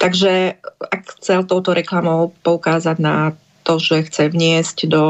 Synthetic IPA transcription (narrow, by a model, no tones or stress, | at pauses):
t̪aɡʒɛakxt͡sɛlt̪ɔʊt̪ɔɾʔɛklamɔʊpɔukaːzaɟna | t̪ɔʒɛxt͡sɛʋɲɪɛzcd̪ɔ